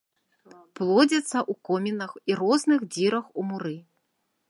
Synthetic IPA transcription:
plˠɔd͡zʲɐt̪sːɐʔukɔmʲinɐxiɾɔznɨxd͡zʲiɾɐxumuɾɨ

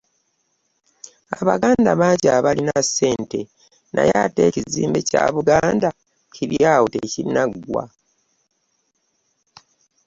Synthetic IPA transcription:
aβaɡaːndaβacaːβalinasːe̞ːnte̞ | nʔajateciziːmbecaːβuɡaːnda | ciɾjaːwuteciɾinaɡwa̰

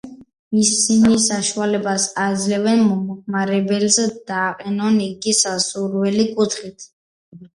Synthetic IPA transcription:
isinisaʃualɛbasad̪zlɛvɛnmɔmɔχmaɾɛbɛlzɛd̪̥aːqʼɛnɔniɡisasuɾwɛlikʼut̪ʰχit̪ʰ

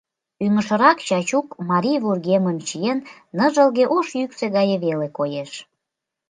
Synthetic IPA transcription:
yŋəʃə̆ɾɑkt͡ɕɑt͡ɕukmɑɾʲijβurɣeməmt͡ɕijenː | əʒəlɣeʔoʃjykseɣɑjəβelekojeʃ

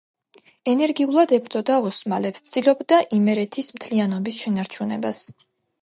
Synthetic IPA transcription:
ɛnɛɾɡiulˠad̪ɛbɾt̪zʼɔd̪aɔsmalɛpst̪sʰd̪̥ilˠɔbd̪aʔimɛɾɛt̪ʰismt̪ʰlianɔbisʃɛnaɾt͡ʃʰunɛbas

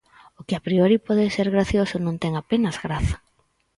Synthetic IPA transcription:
ʊkɪapɾioɾipɔðɪseɾɣɾaθjosʊnõŋt̪ɛŋapenazɣɾaθḁ

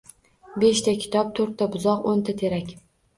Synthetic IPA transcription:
beʃt̪ʰakʲʰɪ̥t̪ʰɒp̚t̪ʰɵɾt̪ʰːabʊzɒqont̪ʰat̪ʰe̞ɾakʲ

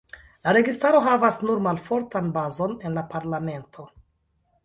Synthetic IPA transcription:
laɾe̞ɡistaɾo̞ɦavasnuɾmalfo̞ɾtanbazo̞ne̞nlapaɾlame̞ntʰo̞

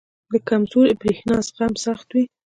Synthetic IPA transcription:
d̪əkamzuɾebɾexnɑsqamsaxt̪wi

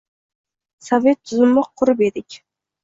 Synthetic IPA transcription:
save̞t̪ʰːʊzɪmːɪqʰʊɾɪpe̞d̪ɪkʲ

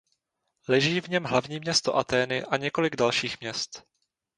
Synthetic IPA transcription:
lɛʒiːvɲɛmɦlavɲiːmɲɛst̪oʔat̪ɛːnɪʔaɲɛko̞lɪɡdalʃiːxmɲɛst̪

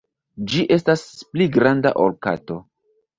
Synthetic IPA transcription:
d͡ʒiʔe̞staspliɡɾanda̰ʔolka̰to̞

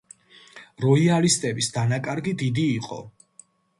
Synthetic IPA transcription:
ɾɔialist̪ʼɛbisd̪anakʼaɾɡid̪id̪iːqʼɔ̰

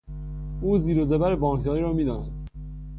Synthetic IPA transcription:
uːziːɾozebæɾebɒːŋkʰd̪ɒːɾiːɾɒːmiːd̪ɒːnæd̪̥

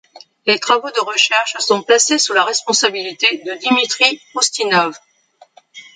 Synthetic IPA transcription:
let̪χavod̪əʁəʃɛʁʃsɔ̃plasesulaʁɛspɔ̃sabilit̪ed̪əd̪imit̪χiust̪inɔv

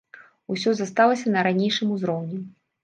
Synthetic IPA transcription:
usʲɔzast̪alˠɐsʲɐnɐɾanʲejʂɨmuzɾɔwnʲɛ

